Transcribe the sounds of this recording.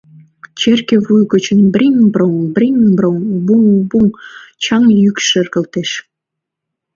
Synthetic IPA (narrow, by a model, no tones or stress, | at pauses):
t͡ɕerkĕβujɣə̆t͡ɕə̆nbrʲiŋbroŋbrʲiŋbroŋbuŋbuŋt͡ɕɑŋjykʃə̆rɣə̆lt̪eʃ